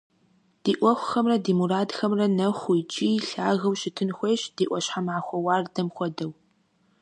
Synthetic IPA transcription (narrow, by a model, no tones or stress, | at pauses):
d̥iːʔʷɔxʷʊxɐmrɐdiːmuraːdxɐmrɐnɐχʷʊjt͡ʃʼiːɬaːɣɐwʃɪtʰɨnxʷejɕd̥iːʔʷɔɕħamʕaːxʷɔwaːrdɐmxʷɔdɐw